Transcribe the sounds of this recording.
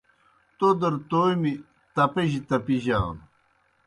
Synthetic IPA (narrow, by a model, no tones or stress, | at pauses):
t̪od̪əɾt̪ojmi | t̪ɐpeʑit̪ɐpiʑaːn